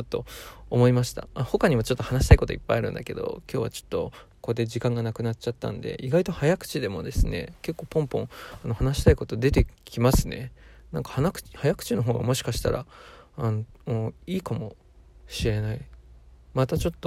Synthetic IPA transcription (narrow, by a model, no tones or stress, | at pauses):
ot̪ːo̞̰omo̞imaɕi̥t̪a̰aho̞kaɲ̟imβat͡ɕo̞t̪ːo̞hanaɕi̥t̪aiko̞t̪o̞̰ipːa̰iaɾɯ̟̃nd̪a̰ke̞̰d̪o̞̰kʲo̞ːβa̰t͡ɕo̞̥t̪ːo̞ | ko̞d̪e̞d͡ʑikãŋɡanakɯ̟nat͡ɕat̪ːã̰nd̪e̞̰ʔiɡait̪o̞hajakɯ̥t͡ɕid̪e̞mo̞̰d̪e̞sɨne̞̰ke̞kːo̞ːpõ̞mpõ̞ɴano̞hanaɕi̥t̪aiko̞t̪o̞d̪e̞t̪e̞kʲimasɨne̞̰nãŋkḁhanakɯ̥t͡ɕhajakɯ̟̥t͡ɕino̞ɦo̞ːɡa̰mo̞ɕi̥kaɕi̥t̪a̰ɾʔa̰nooːiːkamo̞̰ | ɕiɾe̞nai | mat̪at͡ɕo̞t̪ːo